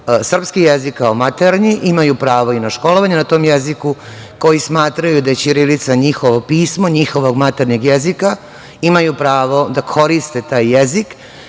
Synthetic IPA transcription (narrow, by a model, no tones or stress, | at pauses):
sr̩pskijezikːaomat̪eɾɲiʔimajupɾaːʋo̞inaʃko̞lo̞ʋaɲenat̪o̞ːmjeziku | ko̞jismaːt̪ɾajud̪ajet͡ɕiɾilit̪saɲixo̞ʋopiːsmo̞ɲixo̞ʋo̞ɡmat̪eɾɲoɡjezika | imajupɾaːʋo̞d̪akʰo̞ɾist̪e̞t̪aːjːezik